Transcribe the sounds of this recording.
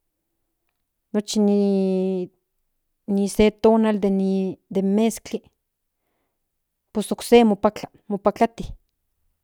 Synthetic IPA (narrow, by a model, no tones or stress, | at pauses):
not͡ʃini | niset̪oːnald̪enid̪emːeskt͡ɬi | posoksemopat͡ɬa | mopakat̪i